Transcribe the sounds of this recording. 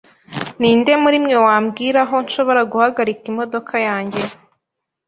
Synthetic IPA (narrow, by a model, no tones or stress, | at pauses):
niːnde̞muɾimɲewaːmɡiːɾaɦo̞nʃo̞βo̞ɾaɡuhaɡaɾikimo̞do̞kʰajaːɲɟe̞